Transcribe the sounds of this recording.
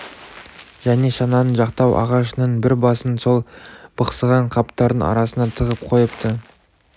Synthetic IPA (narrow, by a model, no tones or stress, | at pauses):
ʒ̥æne̞ʃɑnɑnəɴʒɑq̚t̪ɑwʔɑ̰ʁɑʃənəɴbɪɾbɑsənso̞lˠbəqsəʁɑɴqʰɑpt̪ɑɾd̪ənɑ̰ɾɑsənɑt̪ʰəʁəp̚qʰo̞jəpt̪ʰə